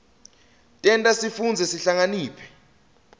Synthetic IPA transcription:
tʼɛntʼasifund͡zʱɛsiɬaŋaniːpʰɛ̥

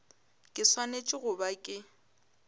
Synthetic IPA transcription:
kʼɪswanet͡ʃʼɪɣʊbakʼɪ

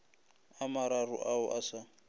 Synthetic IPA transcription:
amaɾarʊ̰ʔaʊʔasa

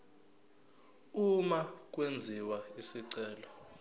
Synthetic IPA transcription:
umak̬ʼwend͡zʱiwaisiǀɛːlɔ

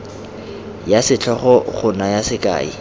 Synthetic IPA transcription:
jasɪt͡ɬʰɔχɔχʊnajasɪkʼa̰ːḭ

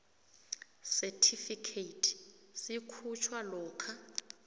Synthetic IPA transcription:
sɛtʰifikʰeitʰsikʰut͡ʃʰwalɔːkʰa

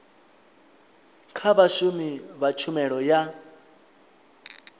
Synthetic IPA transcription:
kʰaβaʃumiβat͡ʃʰumɛɺɔja

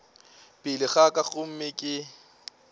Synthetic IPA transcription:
pʼɪlɪɣakʼaχʊm̩mɪkʼɪ

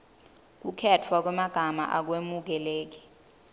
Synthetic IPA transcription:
k̬ukʰɛtʰwak̬wɛmaɡ̥ʱama̰ʔak̬wemuk̬ɛleːk̬i̥

